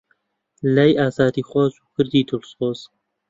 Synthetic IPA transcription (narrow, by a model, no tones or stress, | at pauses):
lɛjaːzaːd̪iːxwɔzuːkɨɾd̪iːd̪ʊlsoːz